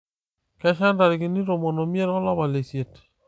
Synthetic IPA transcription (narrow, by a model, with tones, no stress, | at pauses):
kɛ˦ʃa˦nda˨ɾi˨ɡi˨ni˦ɾo˨mɔ˨nɔ˨mi˦e˦ɾɔ˦la˦βa˨le˨sje˨t